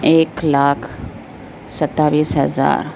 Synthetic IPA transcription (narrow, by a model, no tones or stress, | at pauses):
eːklaːkʰ | sɐt̪ːaːʋiːsɦɐza̰ːɾ